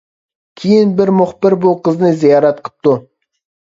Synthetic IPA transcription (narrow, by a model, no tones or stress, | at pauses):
kʲʰijɪnbɪɾmʊχpɪɾbʊqəznəzijɑɾɑt̪qʰə̥p̚t̪ʊ